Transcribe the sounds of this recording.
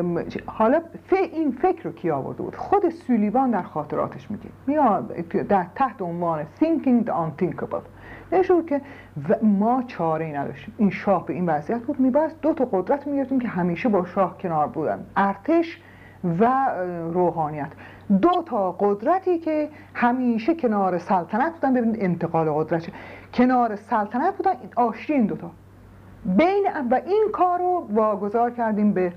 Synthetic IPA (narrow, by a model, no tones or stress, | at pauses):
hɒːlɒːfeʔiːnfe̞cʰɾocʰiːɒːvo̰ɾd̪e̞bṵːd̪xod̪esuːliːbɒːnd̪æɾxɒːt̪ʰeɾɒ̰ːt̪ʰeʃmḭːɟḭmid̪æɾt̪ʰæht̪eonvɒːnesiŋkʰiŋd̪ɑnt̪ʰiŋkʰobḛl | neeʃt̪ebuːd̪̚cʰe̞ | vmɒːt͡ʃʰɒːɾeiːnæd̪ɒ̰ːʃt̪iːmiːnʃɒːhbe̞iːnvæziːjæt̪̚buːd̪miːbæsd̪ot̪ʰɒːɣod̪ɾæt̪ʰmiːɡeeft̪iːmkʰeɦæmiːʃebɒːʃɒːhcʰe̞nɒːɾbuːd̪æ̰nd̪æɾt̪ʰeʃ | væɾoːɦɒːnijæt̪ʰ | d̪ot̪ʰɒːɢod̪ɾæt̪ʰiːcʰe̞ | hæmiːʃecʰe̞nɒːɾesælt̪ʰænæt̪̚buːd̪ænbebinid̪ent̪ʰe̞ɣɒːleɣod̪ɾæt̪ʰecʰe̞nɒːɾesælt̪ʰænæt̪̚buːd̪ænɒːʃɾiiːnd̪ot̪ʰɒː | bejneævæʔiːnkʰɒːɾovɒːɡo̞zɒːɾcʰæɾd̪iːmbe